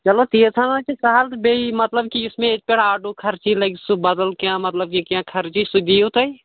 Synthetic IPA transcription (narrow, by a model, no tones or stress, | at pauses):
t͡ʃɐlot̪iət̪ʰanat͡ʃisaɦalt̪beimɐt̪ləb̚kiʊsmẽek̪̚peɽaːɖukʰɐɾt͡ʃilɐɡsubɐd̪əlkjãmɐt̪ləb̚kikjãːkʰɐɾt͡ʃisud̪ijut̪əj